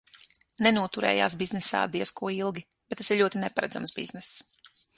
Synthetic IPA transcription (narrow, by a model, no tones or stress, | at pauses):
nɛnuɔt̪uɾɛ̰ːjaːsbiznɛsa̰ːd̪iɛskuɔilˠɡʲi | b̥et̪t̪ːasiɾʎʲuɔt̪inɛpaɾɛ̰d̪za̰msbḭznɛs